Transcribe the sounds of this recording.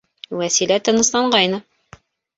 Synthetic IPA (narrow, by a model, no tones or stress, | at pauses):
wæsilæt̪ɤ̆nɤ̆slɑɴɢɑjnɤ